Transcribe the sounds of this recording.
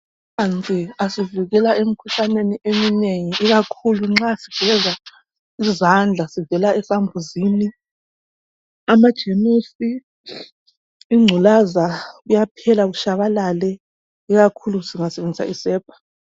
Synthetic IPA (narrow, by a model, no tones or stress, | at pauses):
ant͡sʼiasiviɣɛlaʔemikʰuɬaneniemineŋiʔiɣakʰuluŋ͡ǁasib̥ʱɛza | izand͡ɮʱasivɛlaɛsambʱuzini | amad̥ʒ̥ʱenosi | ŋ͡ǀʱulazaɣujapʰɛlaβuʃaβalalɛ | iɣakʰulusiŋasɛβend͡zʱisa̰ʔisɛːpʰḁ